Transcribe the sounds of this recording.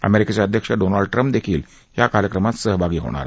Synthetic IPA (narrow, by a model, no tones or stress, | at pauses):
ə̰meɾiket͡ɕaəd̪ʱjəkʂəɖonaɭɖʈɾəmpd̪ekʰiːl | jakaɾjəkɾəmat̪səɦbʱaɡiːɦo̰ɽ̃a̰ɾ